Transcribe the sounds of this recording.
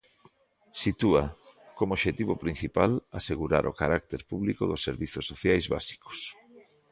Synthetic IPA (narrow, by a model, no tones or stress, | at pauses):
sit̪uakomoʃet̪iβopɾin̟θipalaseɣuɾa̰ɾʔo̰kaɾak̚t̪eɾpuβlikoðosːeɾβiθosːoθjajzβa̰si̥ko̥s